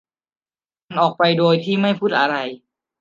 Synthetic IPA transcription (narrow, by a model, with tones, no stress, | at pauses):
a˧nʔɔː˨˩k̚pa˧jdoː˧jt̪ʰiː˥˩ma˥˩jpʰu˦˥˩t̪̚ʔa˧ɾa˧j